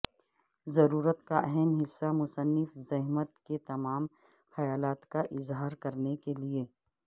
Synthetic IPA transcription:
zɐɾuːɾət̪kaʔɛɦɛmɦɪsːamʊsənːɪfzɐɦmət̪ket̪ɐmaːm | xɐjaːlaːt̪kaʔɪzɦaːɾkɐɾnekelieː

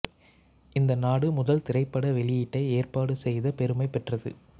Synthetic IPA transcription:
ʔɪnd̪ɐnaːɽɯmʊðɐlt̪ɪɾɐɪpːɐɽɐʋɛɭɪjɪʈːɐɪeːrpaːɽɯsɛjðɐpɛɾɯmɐɪpɛʈrɐðɯ̰

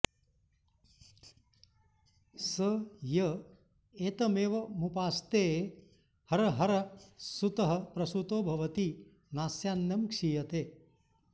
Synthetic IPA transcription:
sɐjɐ | eːt̪ɐmeːʋɐmupaːst̪eː | hɐɾɐɦɐɾɐsut̪ɐɦɐpɾɐsut̪oːbʱɐʋɐt̪i | naːsjaːnjɐmkʂijɐt̪eː

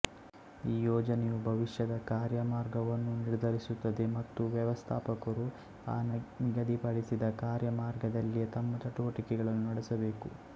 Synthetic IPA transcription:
iːjɔːd͡ʒɐnejubʱɐʋiʂjɐd̪ɐkaːɾjɐmaːɾɡɐʋɐnːuniɽd̪ʱɐɾisut̪ːɐd̪e̞mɐt̪ːuʋjɐʋɐst̪ʰaːpɐkɐɾu | a̰ːnmiɡɐd̪ipɐɭisid̪ɐkaːɾjɐmaːɾɡɐd̪ɐlːijet̪ɐmːɐt͡ʃɐʈuʋɐʈikɛɡɐɭɐnːunɐɽɛsɐbe̞ːku

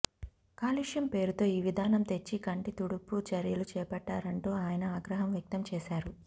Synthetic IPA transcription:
kaːliʂjɐmpe̞ːɾut̪o̞ːiːʋid̪ʱaːnɐmt̪e̞t͡ʃːikɐɳʈit̪uɽupːut͡ʃɐɾjɐlut͡ʃɛːpɛʈːaːɾɐɳʈoːaːjɐnɐaːɡɾɐɦɐmʋjɐk̚t̪ɐmt͡ʃɛːʃaːɾu

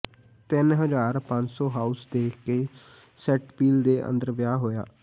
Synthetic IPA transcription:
t̪ɪnɦəzaːɾpə̃ɲd͡ʒsɔːɦaːusd̪eːkʰkeː | sɛʈpiːld̪eːʔə̰̃nd̪əɾʋjaːɦoːja̰ː

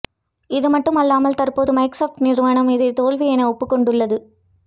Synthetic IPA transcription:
ɪðɯmɐʈːɯmɐlːaːmɐlt̪ɐrpoːðɯmɐɪksoːfʈnɪɾʋaːnɐmɪðɐɪt̪ːoːɭʋijɛnɐɔpːɯkːɔɳɖɯɭːɐðɯ

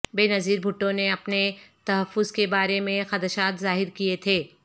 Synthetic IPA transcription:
beːnɐziːɾbʱʊʈːõneɐpnet̪ɐɦɐfːʊzkebaːɾemẽxɐd̪əʃaːt̪zaːɦɪɾkiet̪ʰeː

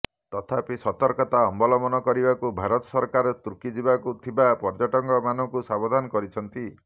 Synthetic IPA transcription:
t̪ɔt̪ʰapisɔt̪ɔɾkɔt̪aɔmbɔlɔmɔnɔkɔɾibakubʱaɾɔt̪ɔ̥sɔɾkaɾɔt̪uɾkid͡ʒibakut̪ʰibapɔɾd͡ʒɔʈɔŋɡɔmanɔkusabɔd̪ʱanɔkɔɾit͡ʃʰɔnt̪i

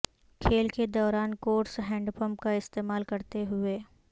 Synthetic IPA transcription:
kʰeːlked̪ɔːɾaːnkoːɾʈsɦɛ̃ːɳɖpə̃mpkaɪst̪eːmaːlkɐɾt̪eɦʊeː

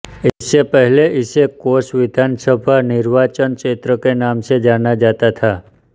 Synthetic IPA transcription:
isepəɦleisekoʃʋɪd̪ʱansəbʱanɪɾʋat͡ʃənket̪ɾəkenamʃed͡ʒanad͡ʒat̪at̪ʰa

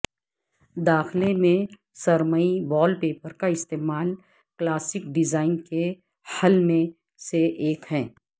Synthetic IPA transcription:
d̪aːxlemẽ | sɐɾməibɔːlpeːpəɾkaɪst̪eːmaːl | klaːsɪk̚ɖɪzaːɪnke | hɐlmẽ | seʔeːkɦɛ̃ː

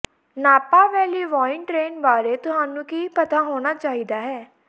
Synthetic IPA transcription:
naːpaːʋɛːliːʋaːɪnʈɾeːnbaːɾeːt̪ʊɦaːnũːkiːpət̪aːɦoːñaːt͡ʃaːiːd̪aːɦɛː

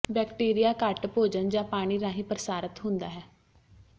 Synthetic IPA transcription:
bɛːkʈiːɾijaːkəʈpoːd͡ʒənd͡ʒãːpaːɽ̃iːɾãːɦiːpɾəsaːɾət̪ɦʊ̃nd̪aːɦɛː

